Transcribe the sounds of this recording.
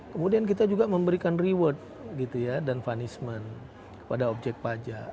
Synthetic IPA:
kəmudiank̬it̪ad͡ʒuɡaməmbəɾikanriwət̪̚ | ɡit̪ujadanfanismən | kə̥padaob̚d͡ʒɛk̚t̪̚pad͡ʒaʔ

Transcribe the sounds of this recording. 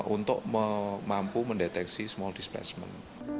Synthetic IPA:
ʔunt̪ʊ̰ʔməmampuməndet̪ɛksismɔldisplɛ̰smə̰n

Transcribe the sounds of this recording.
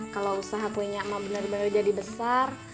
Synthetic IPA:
kalawusaɦakuiɲaʔmabənərbənərd͡ʒadibəsar

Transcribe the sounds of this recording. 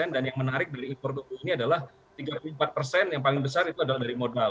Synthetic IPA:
ɛndanjaŋmənaɾɪk̚daɾiːnpɔrt̪ubuiniadalah | t̪iɡapulumpat̪̚pərsɛnjaŋpalɪŋbəs̬arit̪uadalahdaɾimodal

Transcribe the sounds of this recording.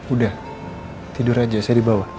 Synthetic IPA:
udah | t̪iduɾad͡ʒasajadibawa

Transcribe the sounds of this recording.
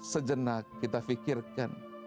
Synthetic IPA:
səd͡ʒənak̚ːit̪afikɪrkan

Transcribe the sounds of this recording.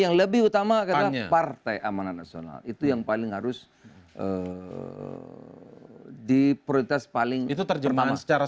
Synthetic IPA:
jaŋləbɪhut̪amakat̪apart̪ajʔamananːasiona̰lit̪ujaŋpalɪŋɦaɾʊs | ʔə | dipɾolit̪aspalɪŋit̪ut̪ərd͡ʒəmansə̥t͡ʃaɾa

